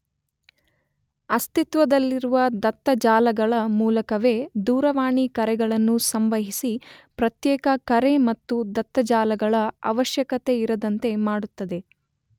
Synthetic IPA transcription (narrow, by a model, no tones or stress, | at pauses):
ɐst̪it̪ʋɐd̪ɐlːiɾuʋɐd̪ɐt̪ːɐd͡ʒaːlɐɡɐɭɐmuːlɐkɐʋe̞ːd̪uːɾɐʋaːɳikɐɾɛɡɐɭɐnːusɐmʋɐɦisipɾɐt̪jɛːkɐkɐɾe̞mɐt̪ːud̪ɐt̪ːɐd͡ʒaːlɐɡɐɭɐɐ̰ʋɐʃjɐkɐt̪e̞iɾɐd̪ɐnt̪e̞maːɽut̪ːɐd̪e̞